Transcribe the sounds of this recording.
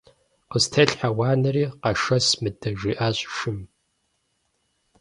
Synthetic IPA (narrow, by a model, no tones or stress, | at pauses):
qəstʰɐɬħawɑːnɐriːqɐʂɐsmɨdɐʒiːʔaːɕʼʃɨm